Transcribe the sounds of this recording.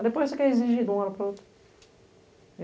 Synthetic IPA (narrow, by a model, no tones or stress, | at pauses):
d̪epojzsekɛɾeziʒid̪ũɔɾɐpɾɐowt̪ɾʊ